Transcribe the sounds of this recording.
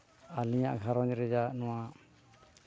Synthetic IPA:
aliɲaʔɡʱaɾɔɲɾɛd͡ʒanɔwa

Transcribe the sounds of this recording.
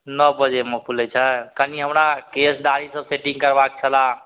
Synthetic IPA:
nɔbəd͡ʒeməpʰulɛt͡ʃʰəkəniɦəmɾakesɖaɾisəbseʈĩŋɡkəɾbak̚t͡ʃʰəla

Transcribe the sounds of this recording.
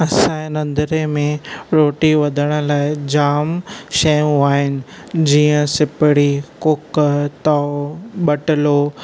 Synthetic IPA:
ɐsãnɐ̃nd̪əɾemẽɾoːʈiʋɐd̪ʱəɽ̃ə̆laːɪd͡ʑaːmʃeːũaːɦɪnɪ̆ | d͡ʑiːə̃sɪpɪɽikʊkt̪aɓɐʈɪlo

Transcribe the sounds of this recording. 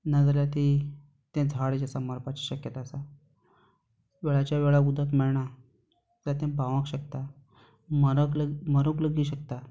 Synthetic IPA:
nad͡zaljat̪i | t̪ɛ̃d͡zʱaɽed͡ʑasaməɾpat͡ɕiɕəkjət̪aːsa | ʋeɭat͡ɕjaʋeɭaud̪ʱat̪mɛɭɳa | t̪at̪ɛ̃baʋãkɕəkt̪a | məɾəkləməɾəkləɡiːɕəkt̪a

